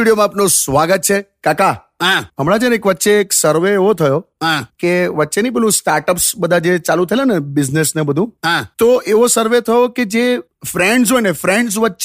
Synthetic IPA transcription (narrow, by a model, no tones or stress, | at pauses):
iɽijomãapnosʋaɡət̪̚t͡ʃʰekaka | ɦãɦəmɽad͡ʒənekʋətːʃeːksəɾʋeːʋot̪ʰəjoɦãkeʋətːʃenipelũsʈaɾʈəpsbəd̪ʱad͡ʒet͡ʃalũt̪ʰəelenebɪd͡ʒnesnebəd̪ʱũɦãt̪oʔeʋosəɾʋet̪ʰəjoked͡ʒe | fɾeɳɖz̬ojnefɾẽɳɖs̬ʋətːʃ